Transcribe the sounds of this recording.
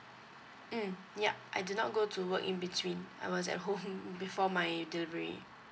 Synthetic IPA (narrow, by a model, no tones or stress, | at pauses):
m̩ | ja̰ʔajdunɔt̚ɡotuwəkḭ̃nbitʰwĩna̰jwɔs̬ɛ̰t̚ɦõmbifɔmajdilivəɹḭ